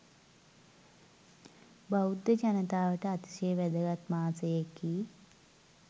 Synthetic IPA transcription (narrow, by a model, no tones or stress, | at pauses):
baud̪jəd͡ʒɐnət̪aːʋəʈəat̪i̥səjəʋɛd̪əɡat̪maːt͡səjekːi